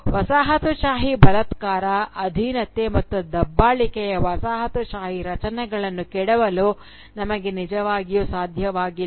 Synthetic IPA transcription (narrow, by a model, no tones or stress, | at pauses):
ʋɐsaːɦɐt̪uʃaːɦibɐlɐt̪kaːɾɐɐd̪ʱiːnɐt̪emɐt̪ːud̪ɐbːaːɭikɛjɐʋɐsaːɦɐt̪uʃaːɦiɾɐt͡ʃɐnɛɡɐɭɐnːukɛɽɐʋɐluː | nɐmɐɡe̞nid͡ʒɐʋaːɡijusaːd̪ʱjɐʋaːɡil